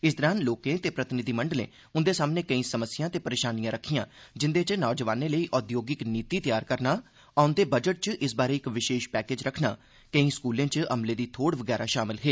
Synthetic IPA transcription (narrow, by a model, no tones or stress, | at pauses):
ɪs̬d̪əɾãːnloːkẽːt̪eːpɾət̪ɪnɪd̪iːməɳɖəlḛ̃ː | ʊnd̪eːsaːmneːkəĩːsəməsɪjãːt̪eːpəɾeːʃaːnijãːɾəkʰːijãːd͡ʒɪnd̪eːt͡ʃnɔːd͡ʒəʋaːnẽːləiːʔɔːd̪joːɡɪkniːt̪iːt̪ɪjaːɾkəɾnaː | aːʊnd̪eːbəd͡ʒəʈ̚t͡ʃʔɪsbaːɾeːɪkʋɪʃeːʃpɛːkeːd͡ʒɾəkʰna̰ː | kəĩːskuːlẽːt͡ʃəmleːd̪iːt̪ʰoːɽʋəɡɛːɾaːʃaːmɪlɦeː